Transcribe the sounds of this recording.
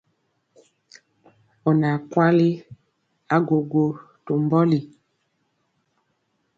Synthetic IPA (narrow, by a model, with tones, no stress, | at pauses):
ɔ˨na˨kwa˦li˦ | a˦ɡo˨ɡo˨ | to˨mbɔ˦li˨